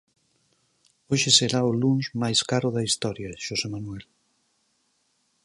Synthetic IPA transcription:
oʃeseɾaʊlunʃmajskaɾʊðɐist̪ɔɾjɐʃosemanuɛl

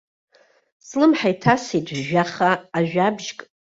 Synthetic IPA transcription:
slɨmħajtʰasitʰʼʒaχaːʒᶣabʒkʼ

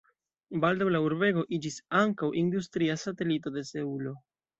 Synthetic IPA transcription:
baldawlauɾbe̞ɡo̞ʔid͡ʒisaŋkawʔindustɾiasate̞lito̞de̞seulo̞

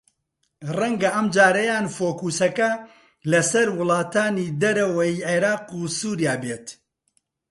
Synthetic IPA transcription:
rɐŋɡɐʔɐmd͡ʒaːɾɐjaːnfoːkuːsɐkɐ | lɐsɐɾwʊlˠɑːt̪aːniːd̪ɐɾɐwɐjiʕeɾaːqusuːɾijaːbeːt̪

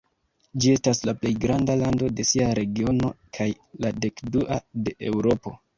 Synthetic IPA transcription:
d͡ʒie̞staslaple̞jɡɾandalando̞de̞siaɾe̞ɡio̞no̞̰kʰaj | lade̞kduʔade̞ʔe̞wɾo̞po̞

